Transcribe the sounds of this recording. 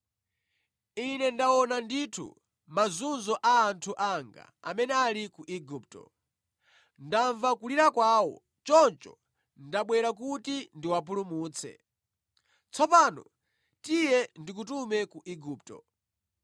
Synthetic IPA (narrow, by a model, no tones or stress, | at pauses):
inɛndawɔnanditʰṵ | mazunzɔʔaːntʰuʔaŋɡa̰a̰mɛnɛalikuʔiɡup̚tɔ̰ | ndaɱvakuliɾakwaːwɔ̰ | t͡ʃɔnt͡ʃɔ̰ | ndaɓwɛɾak̬utindiwap̬ulumuːt͡sʰɛ̰ | t͡sʰɔpaːnɔ̰ | tijɛndik̬utumɛkuʔiɡup̚tɔ̰